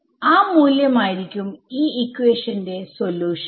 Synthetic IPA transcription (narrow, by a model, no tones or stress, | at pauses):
aːmuːljɐmaːjiɾikʲːumiːikːweːʂɐnde̞so̞ljuːʂ